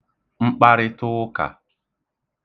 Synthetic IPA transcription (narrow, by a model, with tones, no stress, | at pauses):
ŋ͡m̩˦k͡pa˦ɾɪ˦tʊ˦ka̰˨